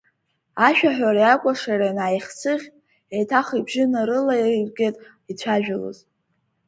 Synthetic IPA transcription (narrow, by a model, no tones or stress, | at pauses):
aʃᶣaħᶣʷaɾajakʷʼaʂaranaːjχʲt͡sʰɨχʲʼ | ejtʰaχibʒɪnaɾɨlarɡʲetʼ | it͡sʷʰaʒᶣalo̰z